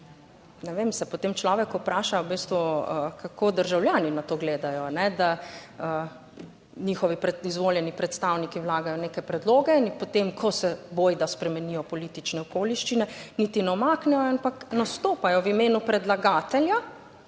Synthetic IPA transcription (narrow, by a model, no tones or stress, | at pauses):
nɛʋemsɛpɔt̪emt͡ʃlɔːʋɛkɔpɾaːʃaubist̪ʋuəkʰakoːd̪əɾʒawljaːninat̪oːɡleːd̪ajɔanɛd̪aə | nixɔʋipɾɛizʋoːljɛnipɾɛt̪st̪awnikiwlaːɡajɔneːkɛpɾɛd̪loːɡɛinpot̪emkʰɔsɛboːjd̪aspɾɛmɛnijɔpɔlit̪it͡ʃnɛɔkoːliʃt͡ʃinɛnit̪inɛɔmaːknɛjɔampaknast̪oːpajɔʋimeːnupɾɛd̪laɡaːt̪ɛlja